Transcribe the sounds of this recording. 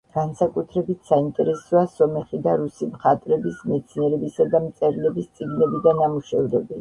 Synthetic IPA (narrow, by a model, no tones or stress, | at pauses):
ɡ̥ansakʼut̪ʰɾɛbit̪ʰsaint̪ʼɛɾɛsɔasɔmɛχid̪aɾusimχat̪ʼɾɛbismɛt̪sʰniɛɾɛbisad̪amt̪sʼɛɾlɛbist̪sʼiɡnɛbid̪anamuʃɛvd̪ɛbi